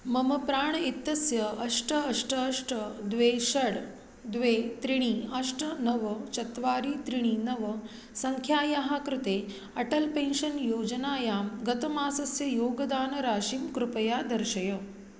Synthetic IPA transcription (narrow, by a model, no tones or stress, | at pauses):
mɐmɐpɾaːɳit̪ːɐsjɐɐʂʈɐɐʂʈʰɐʂʈʰɐd̪ʋeːʃɐɽ | d̪ʋeːt̪ɾiɽ̃iːɐʂʈʰɐnɐʋɐt͡ʃɐt̪ʋaːɾiːt̪ɾiɽ̃iːnɐʋɐ | sɐŋkʰjaːjɐɦakɾut̪eː | ɐʈɐlpẽːnʃɐnjoːd͡ʒɐnaːjaːmɡɐt̪ɐmaːsɐsjɐjoːɡɐd̪aːnɐɾaːʃiːmkɾupɐjaːd̪ɐɾʃɐjɐ